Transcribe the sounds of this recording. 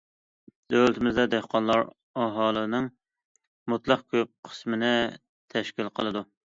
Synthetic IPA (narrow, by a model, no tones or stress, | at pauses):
d̪̥ølt̪ʰɪmɪzd̪ɛd̪ehqʰɑnlˠɑɾ | ɑɦɑːlˠɨnɨŋ | mut̪lˠɑqkʲʰøp̚qʰə̥smɪnɪ | t̪ʰɛʃkʲilˠqʰəlˠɨd̪u